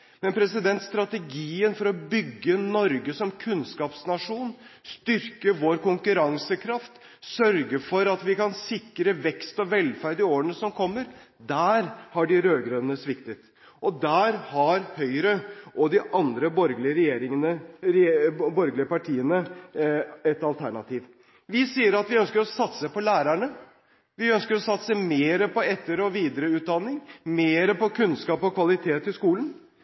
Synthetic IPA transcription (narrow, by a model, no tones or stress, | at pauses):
mɛnpʰɾɛsɪd̪ɛnt̪st̪ɾɑt̪ɛɡiːənfɔɾɔbʏɡːənɔɾɡəsɔmkʰʉnskɑːpsnɑʂuːnst̪ʏɾkəʋoɾkʊŋkʉɾɑŋsəkʰɾɑft̪ | sœɾɡəfɔɾɑt̪ʋɪkɑnsɪkɾəʋɛkst̪ɔʋɛlfæɾd̪ɪoːəɳəsɔmkʰɔmːəɾd̪æːɾhɑɖɪɾøːɡɾøənəsʋɪkt̪ət̪ | ʔɔd̪æːɾhɑɾhœʏɾəʔɔd̪ɪʔɑnd̪ɾəbɔɾɡlɪəɾɛjeːɾɪŋənəɾbɔɾɡlɪəpɑʈʰiːənə | ɛt̪ɑlt̪ʰæɳɑt̪ʰiːʋ | ʋɪsiːəɾɑt̪ʋɪœnskəɾɔsɑt̪səpɔlæːɾæɳə | ʋɪœnskəɾɔsɑt̪səmeːɾəpɔɛt̪ːəɾɔʋiːd̪əɾəʉːt̪̚d̪ɑnːɪŋmeːɾəpɔkʰʉnskɑːpɔkʰʋɑlɪt̪ʰeːt̪ɪskuːlən